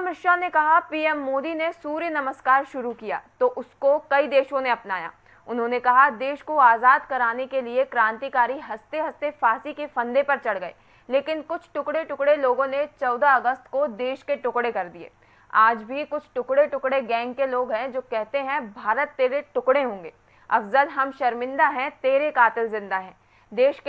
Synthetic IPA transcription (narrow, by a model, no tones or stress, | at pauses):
mɪʃanekɐɦapiːɛmːoːd̪inesuːɾjənɐməskaːɾʃʊɾukija̰ːt̪oʔʊskokɐid̪eːʃõneɐpnaːja̰ː | ʊnɦõnekɐɦad̪eːʃkoaːzaːd̪kɐɾaːnekeliekɾãːnt̪ikaːɾiɦɐst̪eɦɐst̪efaːsikefɐ̃nd̪epɐɾt͡ʃɐɽɡɐḛː | leːkɪnkʊt͡ʃʰʈʊkɽeʈʊkɽeloːɡõnet͡ʃɔːd̪aɐɡəst̪kod̪eːʃkeʈʊkɽekɐɾd̪iḛː | aːd͡ʒbʱikʊt͡ʃʰʈʊkɽeʈʊkɽeɡɛ̃ːŋɡ̚keloːɡɦɛ̃d͡ʒoːkɛɦt̪eɦɛ̃bʱaːɾət̪ːeːɾeʈʊkɽeɦõːŋɡeː | ɐ̰fzəlɦɐmʃɐɾmɪ̃nd̪aɦɛ̃t̪eːɾekaːt̪ɪlzɪ̃nd̪aɦɛ̃ː | d̪eːʃk